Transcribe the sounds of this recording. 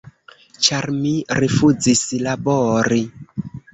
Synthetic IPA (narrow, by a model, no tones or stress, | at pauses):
t͡ʃaɾmiɾifud͡zislaboɾi